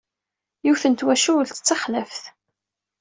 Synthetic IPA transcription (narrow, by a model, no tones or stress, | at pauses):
juθənt̪wæʃuwlt̪ə̥t͡sːɑχləfθ